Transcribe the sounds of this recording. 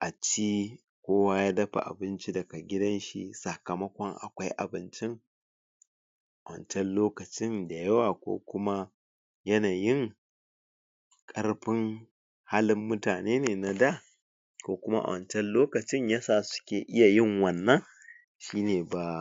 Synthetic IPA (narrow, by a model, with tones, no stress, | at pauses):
ʔa˨t͡ʃiː˦ | kʷoː˦waː˦jaː˦dɐ˦ɸa̰˨ʔa̰˨bɪ˦nt͡ʃi˦dɐ˨ka˨ɡʲɪ˦dɐ˦nʃḭ˦sɐ˨kɐ˨mɐ˦kʷɔ˦ŋʔa̰˨kʷa˦jʔa̰˨bɪ˦nt͡ʃɪ˦ŋ | ʔa˨wɐ̰˨nt͡ʃɛ˦nloː˦kɐ˨t͡ʃɪ˦nda˨jɐ˦waː˨kʷo̰ː˦kʷʊ˦ma˦ | jɐ˦naː˨jɪ˦ŋ | kʼɐ˦rɸɪ˦ŋ | ha˦lɪ˦mːʊ˦taː˨neː˦neː˨na˨da˦˨ | kʷoː˦kʷʊ˦ma˦ʔa̰˨wʔɐ˨nt͡ʃɛ˦nloː˦kɐ˨t͡ʃɪ˦ɲjaː˦saː˨sʊ̥˦kʲeː˨ʔɪ˦ja˨jɪ˦ŋwɐ˨nːɐ˦ŋ | ʃiː˦neː˨ba˨